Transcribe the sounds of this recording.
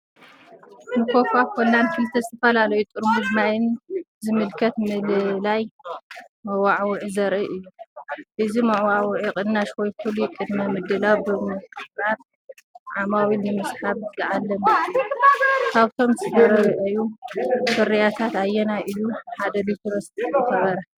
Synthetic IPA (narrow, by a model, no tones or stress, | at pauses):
nɨkʰofakʰonːankɨlt̪ʰɐzɨt̪ʰɐfɐlalɐjut̪ʼɨɾmud̪majɪnzɨmɨlkʰɐt̪mɨllaj | mɐwaʕwʊʕizɐɾʔɨʔɨjːuʔɨzimɐʕwaʕwʕikʼɨd̪ːaʃwoj̪kʰɨlujɪkʼɨd̪mɐmɨd̪ɨlawbɨmɨɨɾat̪̚ | ʕamawilnɨmɨsħaβzɨʕalːɐm | kʰaβt̪ʰo̞msɨdɐɾɐɾɨʔɨjusɨɾijat̪ʰat̪ajɛnaʔɨjuħad̪ɐlit̪ʰɾost̪t̪ɐxɐβɐɾɐ